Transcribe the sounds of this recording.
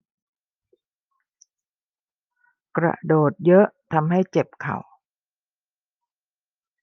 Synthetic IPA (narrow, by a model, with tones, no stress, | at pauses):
kɾa̰˧˩doː˨˩t̪̚jɤ˦˥ʔt̪ʰa˧mɦa˥˩jt͡ɕe˨˩p̚kʰa̰˨˩w